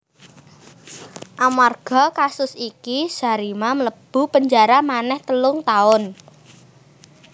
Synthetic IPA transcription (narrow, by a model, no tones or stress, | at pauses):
ʔamarɡ̥ɔ̤kasʊsikisa̤ɾimamələb̥ṳpəɲd͡ʒaɾamanɛht̪əlʊŋt̪aʊn